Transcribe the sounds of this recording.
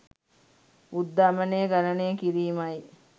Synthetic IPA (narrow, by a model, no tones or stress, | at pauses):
ud̪ːaməneɡalaneːkiɾiːmaj